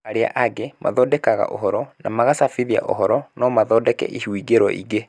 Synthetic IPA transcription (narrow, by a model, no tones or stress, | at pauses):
aɾea̰ʔaɡemʔa̰ðɔːdɛkaɣa̰ʔo̰ɦɔɾɔnamaɣasafiðia̰ʔo̰ɦɔɾɔnɔmaðɔːdɛkɛ̰ʔihwiɡeɾɔ̰ʔḭɣe